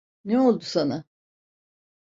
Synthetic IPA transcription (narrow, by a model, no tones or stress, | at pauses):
neo̞lˠd̪usana